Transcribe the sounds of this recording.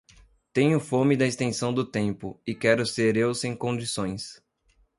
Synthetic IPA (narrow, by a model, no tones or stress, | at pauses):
t̪ẽɲʊfõmɪd̪ɐɪst̪ẽsɐ̃w̃d̪ʊt̪ẽmpʊɪkɛɾʊseɾewsẽj̃kõd͡ʒisõj̃s